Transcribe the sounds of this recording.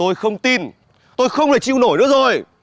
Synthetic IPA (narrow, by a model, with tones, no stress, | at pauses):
o˧jxə˧wŋ͡mt̪i˧n | t̪o˧jxə˧wŋ͡mla˨˩jt͡ɕi˧˨wno˧˩jnɨ̰˧˥əzo˨˩j